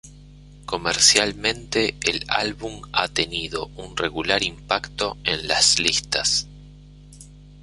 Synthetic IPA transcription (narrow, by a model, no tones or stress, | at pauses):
ko̞meɾsjalmẽ̞nt̪eːla̰lβuma̰t̪eniðo̞unreɣulaɾimpakt̪o̞enlaslist̪as